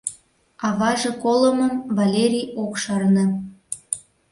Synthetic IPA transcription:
ɑβɑʒĕkoləməmvɑlʲeɾʲijokʃɑrnɤ̆

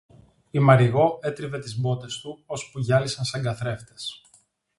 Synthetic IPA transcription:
imɐɾiɣo̞e̞t̪ɾive̞t̪izbo̞t̪e̞st̪uo̞spuʝɐlisɐnsɐŋɡɐθɾe̞ft̪e̞̥s

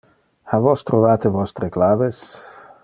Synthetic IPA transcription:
havɔst̪ɾovaːt̪evɔst̪ɾeklaːves

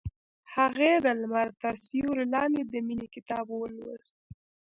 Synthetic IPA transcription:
haɣed̪əlmaɾt̪aɾsijoɾɪlɑned̪əminikɪt̪ɑbwəlwə̰z

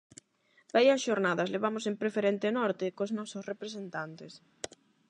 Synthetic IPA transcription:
bajɐsʃoɾnaðɐsleβamʊsempɾefeɾent̪enɔɾt̪ɪkoznɔsʊsrepɾesent̪ant̪es

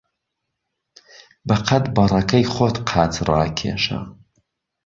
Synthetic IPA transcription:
bɐqʰɐt̪bɐrɐkʰɐjχʷot̪qʰaːt͡sʰraːkʰḛːʃa̰

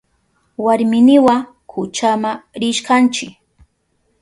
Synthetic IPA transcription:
waɾmɪnɪwa | kʰʊt͡ʃamaɾɪʃkant͡ʃɪk

